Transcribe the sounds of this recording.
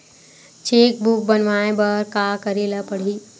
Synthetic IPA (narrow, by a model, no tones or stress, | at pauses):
t͡ʃeːk̚buk̚bənʋaːẽbɐɾkaːkəɾeːlapəɽ̤iː